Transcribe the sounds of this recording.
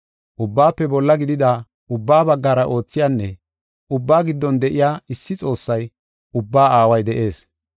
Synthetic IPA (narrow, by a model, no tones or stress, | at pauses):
ʔʊbːaːpːɛbɔlːɐɡɪd̪ɪd̪a | ʊbːaːbɐɡːaːɾɐʔo̞ːt͡sːɪjaːnːɛ | ʔʊbːaːɡɪd̪ːɔnd̪ɛʔɪjaːɪsːɪt͡sʼo̞ːsːɐj | ʊbːaːaːwɐjd̪ɛʔe̞ːs